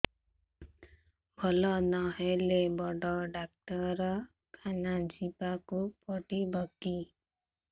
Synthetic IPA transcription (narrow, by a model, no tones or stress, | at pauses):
bʱɔlɔnɔɦelebɔɖɔɖak̚ʈɔɾɔ | kʰanad͡ʒipakupɔʈibɔki